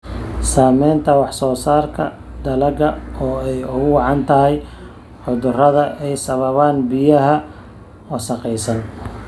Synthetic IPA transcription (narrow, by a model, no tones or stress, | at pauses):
saːmɛːnt̪ʰɐwɑħsɔːsaːrkʰɐ̰ | d̪ɐlɐɣɐɔːɛjʊɣʊwɑʕɑnt̪ʰɐɦɛj | ʕʊðʊrɐðɐʔɛjsɐβɐβaːnbɪjɐɦɐ | wɑsɑqɛjsɐn